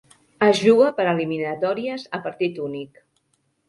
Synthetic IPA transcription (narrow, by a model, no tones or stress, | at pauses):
əzʒuɣəpəɾəliminət̪ɔɾiəzəpəɾt̪it̪unik